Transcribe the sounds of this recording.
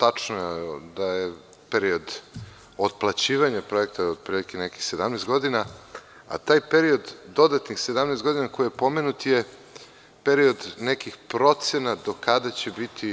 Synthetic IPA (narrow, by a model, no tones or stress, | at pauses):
t̪at͡ʂnod̪aje | peɾio̞d̪ | od̪plˠat͡ɕiːʋaɲapɾo̞jek̚t̪aod̪̚pɾilikineki̥xse̞d̪amnejst̪ɡo̞d̪ina | a̰t̪aːjpeɾio̞d̪ːo̞d̪at̪nixse̞d̪amnest̪ɡo̞d̪inako̞jijepo̞menut̪je | peɾio̞d̪nekixpɾo̞t̪sjenad̪o̞kad̪at͡ɕebit̪ʰi